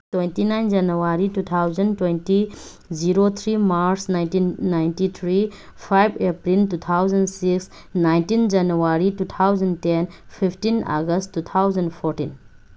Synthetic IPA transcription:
twejntinajnd͡ʒanuwaɾitut̪ʰawzɐntwejnti | ziɾot̪ʰɾimaɾsnajntinːajntit̪ʰɾi | pʰajbʱepɾiltut̪ʰawzɐnsiks | najntind͡ʒanuaɾitut̪ʰawzəntenpʰipʰtina̰ɡəstːut̪ʰawzɐndpʰɔɾʈin

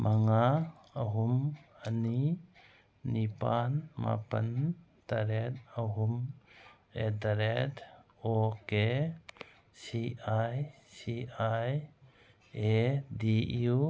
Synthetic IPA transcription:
mʔaŋa | əɦumɐni | nipanma̰pən | taɾet̚əɦum | edaɾet | oke | siaj | siaj | ediu

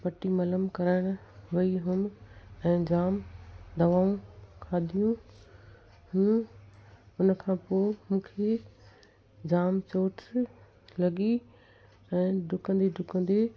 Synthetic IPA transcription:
pɐʈimɐləmkɐɾaːɪɽ̃ɦʊiɦʊmɛ̃ːd͡ʑaːmd̪ɐʋaːũkʰaːd̪ʱijũ | hũː | ʊnəkʰãːpoːmũːkʰe | d͡ʑaːmt͡ɕoːʈ | lɐɡi | ɛ̃ːɖʱʊkə̃nd̪iɖʱʊkə̃nd̪e

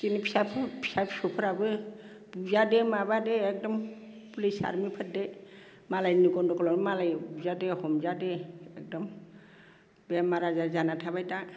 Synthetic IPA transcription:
sinipʰi̥sapʰpʰi̥sapʰi̥sɔpʰɔɾabɯ | buzadɛmabadɛːk̚dɔm | pulisa̰ɾmipʰət̚dɛ | malajniɡɔndɔkʰɔlɔnmalajbuzadɛhɔmzadɛɛk̚dɔm | bɛmaɾazazanatʰabajta

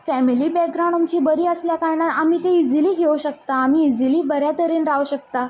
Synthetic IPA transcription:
fɛmiliːbɛk̚ɡɾaw̃ɳɖamt͡ɕiːbəɾiːəsljakaɾɳat̪amiːt̪eid͡ziliːɡʱeʋuɕək̚t̪aːmiːd͡ziliːbəɾjat̪əɾiːnɾauɕək̚t̪a

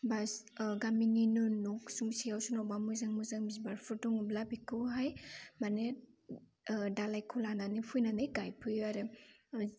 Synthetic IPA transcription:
bas | ɡamininɯnuksuŋsijawsunawbamuzaŋmuzaŋbizbaɾpʰuɾtɔŋublabikʰɯwɦajmane | dalajkʰulananipʰujnanɯjɡajpʰɯjaɾɯ

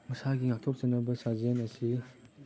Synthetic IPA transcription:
mɐsaɡiŋak̚tʰop̚t͡ʃɐnːɐbɐsazenɐsi

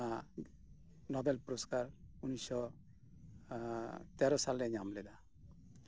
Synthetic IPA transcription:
a | nɔbɛlpuɾɔskaɾunisɔ | t̪ɛɾɔsalɾɛɲamlɛd̪a

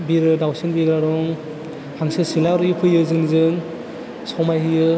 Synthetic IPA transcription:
biɾɯdawsenbiɡɾaɾɔŋ | hʰaŋsɯsilaɾɯipʰɯjɯzɯŋzɯŋ | sɔwmajɦɯjɯ

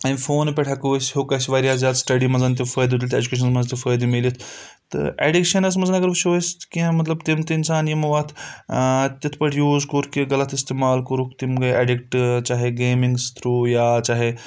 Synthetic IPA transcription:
ɐnfoːnpeʈʰakoːsɦoːkɐsiʋaːɾijaːzʲaːd̪sʈɐɖimɐnzɐnt̪̬ifəːd̪ut̪ilʲt̪ḛːd͡ʒukeːʃ̬ɐnmɐnzt̪ʲifəːjd̪melit̪ʰ | t̪ɨ̰ʔḛɖikʃɐnɐs̬mɐnzɐnɐɡɐɾʋuʃoːst̪kĩmɐt̪lɐbt̪imt̪eɪnsaːnjimʋaːt̪ʰ | t̪ʲit̪ʰpɐʈʰjuːzkoɾkiɡɐlɐt̪ʰist̪eːmaːlkɐɾukʰt̪imɡɐeɖikʈt͡ʃaːɦeɡeːmiŋɡst̪ʰɾuːjaːt͡ʃaːɦe

